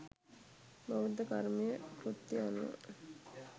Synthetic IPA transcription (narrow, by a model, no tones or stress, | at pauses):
baʋud̪əkaɾmijəkɾut̪ːianːə̰